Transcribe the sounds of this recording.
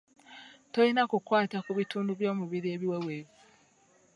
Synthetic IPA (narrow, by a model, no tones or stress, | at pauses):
toinakukwaːtakuβituːnduβjo̞ːmuβiɾieβiweweːβi